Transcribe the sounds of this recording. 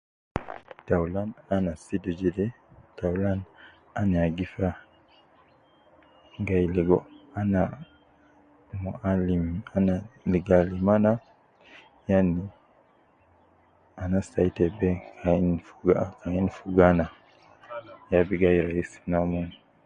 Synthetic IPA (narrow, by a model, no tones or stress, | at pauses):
tawlananasidud͡ʒidɛ | tawlan | aniaɡifa | ŋɡajliɡɔana | mualimanaliɡalimana | jani | anasaitɛbɛkainfuɡkainfuɡana | jabiɡajɾaisnamun